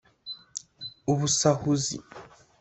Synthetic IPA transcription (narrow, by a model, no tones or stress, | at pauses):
uβusahuzḭ